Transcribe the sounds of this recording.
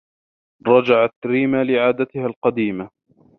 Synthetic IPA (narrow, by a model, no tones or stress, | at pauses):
ɾˤɑd͡ʒaʕat̪ɾiːmalɪʕaːd̪at̪ɪhalqɑd̪iːma